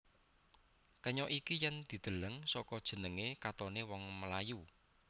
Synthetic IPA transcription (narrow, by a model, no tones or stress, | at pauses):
kəɲɔʔikijɛnd̪̥i̤d̪̥ə̤ləŋsɔkɔd̥ʒ̥ə̤nəŋekat̪ɔnewɔŋməlaju